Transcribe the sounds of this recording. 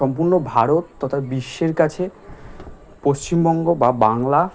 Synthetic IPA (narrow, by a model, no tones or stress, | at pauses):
ɔmpuɾnobʱaɾot̪ːɔt̪ʰabiʃːeɾkat͡ɕʰe | poʃt͡ɕimbɔŋɡobabaŋla